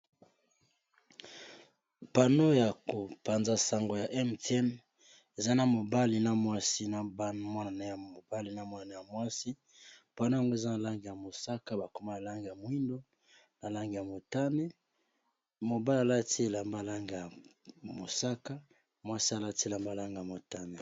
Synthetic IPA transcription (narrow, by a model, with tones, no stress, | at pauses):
pa˨no˦ja˨ko˨pa˨nza˦sa˨ŋɡo˨ja˨ʔɛ˦mtɛ˦n | e˨za˦na˨mo˨ba˦li˨na˨mwa˦si˦na˨ba˦nmwa˦na˨na˦ja˨mo˨ba˦li˨na˨mwa˦na˨na˦ja˨mwa˦si˦ | pa˨no˦ja˨ŋɡo˦e˨za˦na˨la˦ŋɡi˨ja˨mo˨sa˦ka˦ba˨ko˨ma˦na˨la˦ŋɡi˨ja˨mo˨˦i˦ndo˦ | na˨la˦ŋɡi˨ja˨mo˨ta˦ne˦ | mo˨ba˦la˨la˦ti˦e˨la˨mba˦˨la˦ŋɡi˨ja˨mo˨sa˦ka˦ | mwa˦si˦a˨la˦ti˦e˨la˨mba˦˨la˦ŋɡja˨mo˨ta˦ne˨